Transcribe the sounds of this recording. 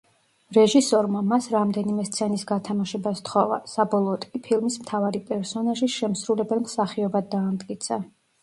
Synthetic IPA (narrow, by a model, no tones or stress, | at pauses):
ɾɛʒisɔɾmamasɾamd̪ɛnimɛst̪sʰɛnisɡat̪ʰamaʃɛbast̪χɔva̰sabɔlˠɔːt̪ʼkʼipʰilˠmismt̪ʰavaɾipʼɛɾsɔnaʒiʃɛmsɾulɛbɛlˠmsaχiɔbad̪ːaːmd̪ʼkʼit̪sʰa